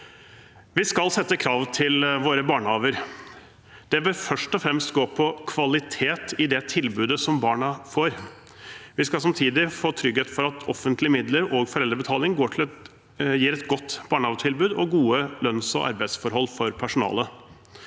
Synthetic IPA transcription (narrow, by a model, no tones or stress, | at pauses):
ʋɪskɑlsɛt̪ːəkʰɾɑːʋt̪ʰɪlʋoːɾəbɑːɳəhɑːʋəɾ | d̪̥ɛbɪɾfœʂʈɔfɾɛmst̪ɡoːpʰɔkʰʋɑlɪt̪ʰeːt̪ɪd̪ɛt̪ʰɪlbʉːd̪əsɔmbɑːɳɑfoːɾ | ʋɪskɑlsɑmt̪ʰiːd̪ɪfoːt̪ʰɾʏɡheːt̪fɔɾɑt̪ʰɔfənt̪lɪəmɪd̪ləɾɔɡfɔɾɛlɾəbət̪ʰɑːlɪŋɡoːʈʰɪl | jiːɾɛt̪ɡɔt̪ːb̥ɑːɳəhɑːʋət̪ʰɪlbʉːd̪ɔɡuːəlœnsɔ̰ʔɑ̰ɾbæɪd̪sfɔɾɦɔlːfɔɾpʰæʂʊnɑ̰ːlə